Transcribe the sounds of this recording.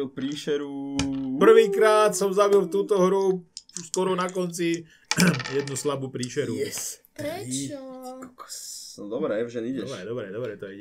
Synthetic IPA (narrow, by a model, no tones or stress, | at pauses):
ilpɾiːʃɛɾupr̩ʋiːkɾaːt̪sɔmzabilˠft̪uːt̪ɔɦɾuskɔɾɔnakɔnt͡si | jɛd̪nuslabuːpɾiːʃɛɾu | kɔkɔ̥d̪ɔbɾɛɛvʒɛniɟɛɔʃbɾɛd̪ɔbɾɛd̪ɔbɾɛt̪ɔɛɛ